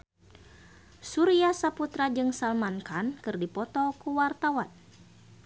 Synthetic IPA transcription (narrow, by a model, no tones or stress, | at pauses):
suɾiasaput̪ɾad͡ʒɨŋsalmankankɨrdipɔt̪ɔkuwart̪awan